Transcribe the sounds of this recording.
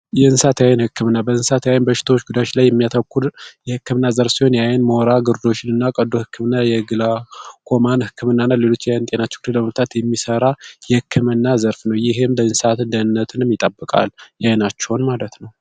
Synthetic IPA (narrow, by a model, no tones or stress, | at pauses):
jɛɨnsat̪ʰəjajɛnhɨkʰːɨmɨnːabəɨnsat̪ʰəjajnbəʃɪ̥t̪ʰawot͡ʃːɡud̪at͡ʃlajːɛmːijat̪ʰəkːuɾjɛhɨkːɨmɨnːazəɾsiho̞njajɛnmoɾaɡɨɾd̪o̞t͡ʃːɪnɨnːakʼəd̪ohɨkʰːɨmɨnːajɛɡɨlakʰo̞manhɨkʰːɨmɨnːanːale̞lo̞t͡ʃːjajnt̪ʼe̞nat͡ʃːɛ̥wɡd̪eləməft̪ʰat̪jɛmːisəɾajɛhɨkʰːɨmɨnːazəɾfnəwjɪɦemd̪ənsat̪ɨnd̪ənːət̪ʰɨnɨmjɪt̪ʼəbːəkʼa̰ljajnat͡ʃːɛwnmalət̪nəw